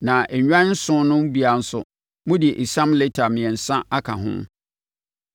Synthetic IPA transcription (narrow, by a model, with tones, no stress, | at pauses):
nã˨ʔɛ˨ɲᶣ˦ã˦n̩˦sʊ̃˦nʊ̃˦m˦bi˨a˨n̩˦sʊ̰˨ | mʊ̃˦dɪ˨e˨ʔi˨sã˦mle˦tʰa˨mɪ̃˨ɛ̃˨n̩˨sã˦a˦kʰa̰˨ɦʊ̰̃˦m